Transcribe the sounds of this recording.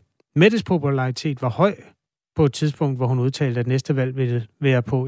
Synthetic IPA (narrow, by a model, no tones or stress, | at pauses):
med̥̩spʰo̝pʰulɑ̈it͡sʰe̝̰ːd̥ʋɑ̈hɒ̽ɪ̰ | pʰɒ̽e̝d̥̚t͡sʰið̞ˠsb̥ɔ̽ŋ̰d̥ʋɒhunuð̞ˠt͡sʰɛ̰ːld̥əæd̥enesd̥əʋæl̰ʋe̝əʋæːɐpʰɔ̽